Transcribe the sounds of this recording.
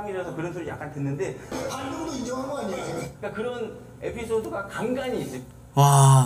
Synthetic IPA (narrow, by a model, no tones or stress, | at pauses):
ŋiɾjʌsʰʌkɯɾʌns̬ʰuɾɯja̰k͈antɯnːɯnde̞anɡuɾdoid͡ʑʌŋɦanɡʌaɲiaoik͈akɯɾʌn | e̞pʰis͈ʰodoɡakaŋɡaɲiːs͈ɯk͈ | wa